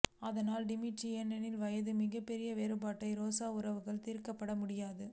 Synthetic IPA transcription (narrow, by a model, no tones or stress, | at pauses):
ɐðɐnaːlɖɪmiʈɾiɛnɛnɪlʋɐjɐðɯmɪɣɐpːɛɾɪjɐʋeːɾɯbaːʈːɐɪɾoːsaːʊɾɐʋɯɣɐɭt̪iːɾkɐpːɐɽɐmʊɽɪjaːðɯ